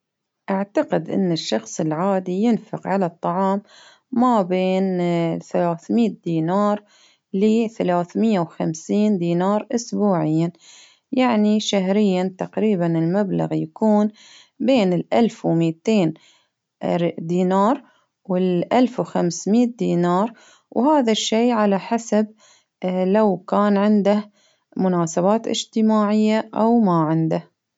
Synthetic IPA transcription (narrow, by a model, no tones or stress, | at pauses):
ʔaʕt̪aqɪd̪ʔɪ̰nːɪʃːɑxsˤɪlʕaːd̪ijɪnfɪqʕalat̪ˤːɑʕɑːmː | abeːnθalaːθmiːt̪̚d̪iːnɑːɾˤ | lɪθalaːθmɪjːawxamsiːnd̪iːnɑːɾˤʔʊsbuːʕɪjːan | jaʕniʃaɦɾɪjːant̪aqɾiːbanɪlmabla̰ɣjakuːn | beːnɪlʔalfwmiːt̪eːn | ɾd̪iːnɑːɾˤ | wɪlʔalfwxamsmiːt̪̚d̪iːnɑːɾˤ | whaːðaʃːeːʕalaħasab̚ | lawkaːnʕɪnd̪ah | mʊnaːsabaːt̪ʔɪ̰d͡ʒt̪ɪmaːʕɪjːaʔawmaʕɪnd̪ah